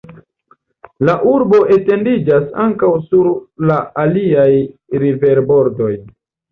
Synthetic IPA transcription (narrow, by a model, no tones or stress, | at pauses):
laʔuɾbo̞ʔe̞te̞ndid͡ʒasaŋkawsuɾlaaliajɾive̞ɾbo̞ɾdo̞j